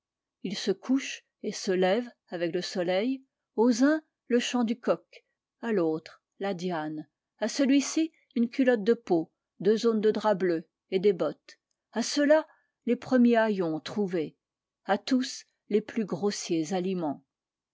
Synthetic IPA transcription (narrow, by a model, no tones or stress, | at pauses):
ilsəkʰuʃ | esəlɛv | avɛkləsɔlɛj | ozɛ̃ | ləʃɑ̃d̪ykɔk | alot̪χ | lad̪jan | asəlɥisi | ynkʲylɔt̪̚d̪əpo | d̪øzond̪əd̪ʁablø | ed̪ebɔt̪ | asəla | lepχəmjeajɔ̃t̪χuve | at̪us | leplyɡʁosjezalimɑ̃